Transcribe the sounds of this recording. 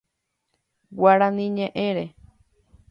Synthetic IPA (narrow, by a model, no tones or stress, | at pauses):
waɾanĩɲẽʔẽɾe